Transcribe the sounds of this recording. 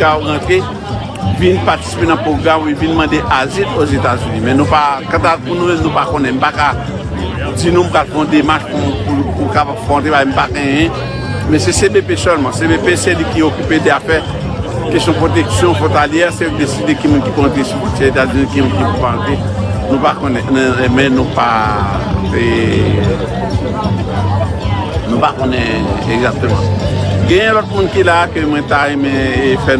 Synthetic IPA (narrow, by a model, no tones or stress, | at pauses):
kabʁɑ̃t̪ʁe | vinpat͡si̥sipenɐ̃pʁoɡʁamuivinmɑ̃d̪eʔazitozet̪azynimɛ̃nũpakãt̪avpunũmɛ̃mnũpakõnɛ̃m̩paka | d͡zinũm̩palfɔ̃d̪emaʃpuupukapabfɔ̃t̪ebaajm̩paɡɛ̃jɛ̃ | mɛ̃sesebepesœlmɑ̃sebepesɛlikiokypedafɛ | kisɔ̃pʁot̪̬ɛksjɔ̃fɔt̪aljɛʁsed̪esid̪ekimũnkipɔ̃t̪esukut̪ɛet̪azynĩkimũnkipupãt̪e | nũpakonɛnmɛ̃nũpa | e | nũpakonɛ̃eɡzak̚t̪ømɑ̰̃ɡɛ̃jɛ̃lɔt̪̚mũnkilakømw̃ɛ̃t̪aʁɛmɛ̃fɛ